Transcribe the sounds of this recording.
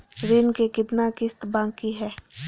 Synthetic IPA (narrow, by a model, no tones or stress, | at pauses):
ɾɪnkekɪt̪nakɪst̪bãːŋkiɦɛː